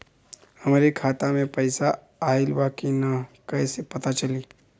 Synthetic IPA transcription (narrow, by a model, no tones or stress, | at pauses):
hɐmːɾikʰaːt̪amẽpɐɪsa | aːɪlbaːkinakɐːsepɐt̪at͡ʃɐliː